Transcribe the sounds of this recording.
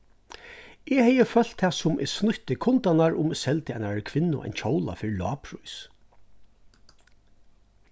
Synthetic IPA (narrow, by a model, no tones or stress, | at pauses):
ʔɛhɛjəfœl̥t̪ʰːɛːsʊmɪ̰snʊht̪ɪkʰʊnt̪anaɹʔʊmsɛlt̪ɪajnaɹkʰʋɪnːʊ̰ʔa̰jnt͡ʃʰoːwla̰fɪɾlɑ̰ːpʰɾʊjs